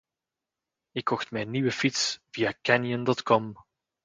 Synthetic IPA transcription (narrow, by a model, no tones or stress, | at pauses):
ɪkʰːɔxtmɛjnːiʋəfitsvijakɛnjəndɔtkɔm